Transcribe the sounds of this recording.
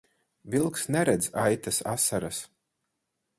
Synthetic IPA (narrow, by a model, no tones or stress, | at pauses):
vilˠksnɛɾɛd̪zajt̪asa̰saɾas